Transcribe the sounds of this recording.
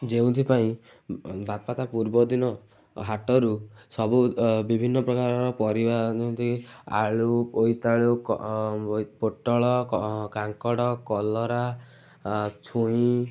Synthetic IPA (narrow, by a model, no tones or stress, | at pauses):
d͡ʒeũt̪ʰipaĩ | bapat̪apuɾbɔd̪inɔ | ɦaʈɔɾusɔbubibʱinːɔpɾɔkaɾɔɾɔpɔɾibad͡ʒew̃nt̪ʰia̰ɭuojt̪aɭuk | poʈɔɭɔkaŋkɔɽɔkɔlɔɾa | t͡ʃʰuĩ